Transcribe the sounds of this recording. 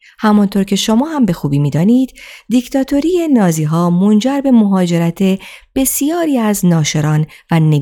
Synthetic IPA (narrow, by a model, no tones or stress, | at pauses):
hæmɔnt̪ʰoɾcʰe̞ʃo̞mɒːhæmbe̞xuːbiːmiːd̪ɒːniːd̪d̪ict̪ʰɒːt̪ʰo̞ɾijenɒːziːɦɒːmo̞nd͡ʒæɾbe̞moɦɒːd͡ʒe̞ɾæt̪ʰe̞b̥e̞sijɒːɾiːæznɒːʃe̞ɾɒːnvæne